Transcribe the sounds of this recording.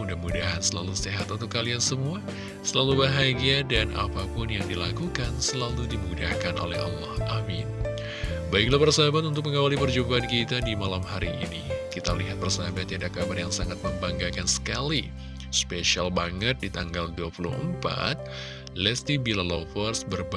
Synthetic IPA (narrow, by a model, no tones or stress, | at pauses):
udahmudaɦansəla̰luseɦat̪unt̪ʊkːaliansəmua | səlalubaɦaɡiadana̰papʊnjaŋdilakukansəlaludimudahkano̰lɛ̰hɑ̰lːɑhʔamɪn | baiklahpərsaabat̪unt̪ʊk̚məŋawalipərd͡ʒubaːnkit̪adimalamhaɾiʔḭnikit̪aliɦat̪̚bərsaɦabat̪jiadakabarjaŋsaŋat̪̚məmbaŋɡakansə̥kali | speʃialbaŋət̪̚dit̪aŋɡalduapulṵhə̰mpa̰t̪̚ | lɛst̪ibilalofɔrsbərb